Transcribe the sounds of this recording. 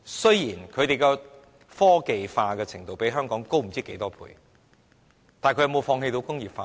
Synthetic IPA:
sɵ˥ɥjiː˨˩nkʰɵ˨˧t̪e˨jkɛ˧ | fɔː˥ke˨jfaː˧kɛː˧t͡sʰɪ˨˩ŋt̪o˨wpe˨˥jɦœː˥ŋkɔː˨˥ŋko˥wm̩˨˩t͡siː˥ke˨˥jt̪ɔː˥pʰṵː˧˥j | t̪aː˨nkɵ˧jɐ˨˧mo˨˧wfɔː˧ŋhe˧t̪o˧wkʊ˥ŋjiː˨p̚faː˧

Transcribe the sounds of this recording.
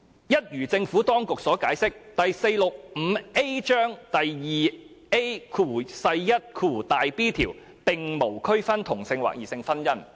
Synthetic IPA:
jɐ˥t̚jyː˨˩t͡sɪ˧ŋfuː˨˥t̪ɔː˥ŋkʊ˨k̚sɔː˨˥kaː˨˥jsɪ˥k̚t̪ɐ˨jse˧jlʊ˨k̚m̩˨˧˦e˥jt͡ʃœː˥ŋt̪ɐ˨jjiː˨ | e˥kʰuː˨˩sɐ˧jjɐ˥t̚kʰuː˨˩t̪aː˨jpiː˥t̪ʰḭː˨˩w | pɪ˨ŋmo˨˩wkʰɵ˥ɥfɐ˥nt̪ʰʊ˨˩ŋsɪ˧ŋwa̰ː˨k̚jiː˨˩sɪ˧ŋfɐ˥njɐ˥n

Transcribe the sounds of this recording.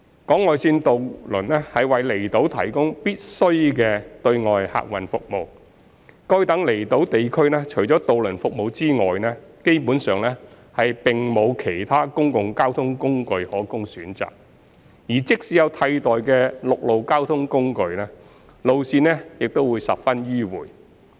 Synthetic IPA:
kɔː˨˥ŋŋɔː˨jsiː˧nt̪o˨wlɵ˨˩nɛː˥hɐ˨jwɐ˨jle˨˩jt̪o˨˥wt̪ʰɐ̰˨˩jkʊ˥ŋpiː˥t̚sɵ˥ɥkɛː˧t̪ɵ˧ɥŋɔː˨jha̰ː˨˧k̚wɐ˨nfʊ˨k̚mo˨˧w | kɔ˥ɥt̪ɐ˨˥ŋle˨˩jt̪o˨˥wt̪e˨jkʰɵ˥ɥnɛː˥t͡ʃʰɵ˨˩jt͡sɔː˨˥t̪o˨wlɵ˨˩nfʊ˨k̚mo˨˧wt͡siː˥ŋɔ̰ː˨jnɛː˥ke˥jpu˨˥nsœː˨˩ŋlɛ˥ | hɐ˨jpɪ˨ŋmo˨˧wkʰe˨˩jt̪ʰaː˥kʊ˥ŋkʊ˨ŋkaː˥wt̪ʰʊ˥ŋkʊ˥ŋkɵ˧ɥhɔː˨˥kʊ˥ŋsyː˨˥nt͡sa̰ː˨k̚ | jiː˨˩t͡sɪ˥k̚siː˨˥jɐ˨˧wt̪ʰɐ˧jt̪ɔː˨jkɛː˧lʊ˨k̚lo˨wkaː˥wt̪ʰʊ˥ŋkʊ˥ŋkɵ˧ɥnɛː˥ | lo˨wsiː˧nɛː˥jɪ˨k̚t̪o˥wuː˨˧jsɐ˨p̚fɐ˥njiː˥wuː˨˩j

